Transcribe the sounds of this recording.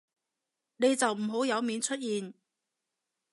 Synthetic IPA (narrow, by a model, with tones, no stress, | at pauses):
ne˨˧jt͡sɐ˨wm̩˨˩ɦo˨˥wjɐ˨˧wmiː˨˧nt͡ʃʰɵ˥t̚jiː˨n